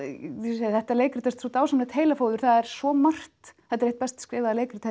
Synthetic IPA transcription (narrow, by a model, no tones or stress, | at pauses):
eðθɛht̪aleːjkɾt̪ʰɛst̪sut̪aːwsamnat̪ʰeːjlafoːwðʏɾ̥θaðɛɾ̥svɔmar̥t̪θɛht̪aɾeht̪̚pɛst̪skɾɪːvaðaleːjkɾt̪e